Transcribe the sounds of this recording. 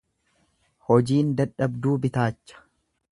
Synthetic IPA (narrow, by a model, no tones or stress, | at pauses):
hɔd͡ʒiːnd̪ɐᶑɐbd̪uːbɪt̪aːt͡ʃːɐ̥